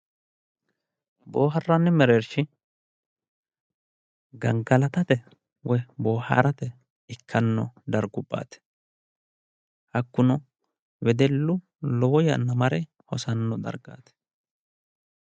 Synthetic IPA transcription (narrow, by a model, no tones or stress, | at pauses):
boːɦɐrːɐnːɛmɛɾeɾʃɪ | ɡɐŋɡɐlɐt̪ɐt̪ɛ | wɔboːha̰ɾɐt̪ɛ | ɪkʰːɐnːɔd̪ɐɾɡʊpʼːa̰ːt̪ɛ̥ | hɐkːʊnɔ | wɛd̪ɛlːʊ | lɔwɔjɐ̰nːɐmɐɾɛ | hɔsɐnːɔd̪ɐ̰ɾɡa̰ːt̪ɛ̥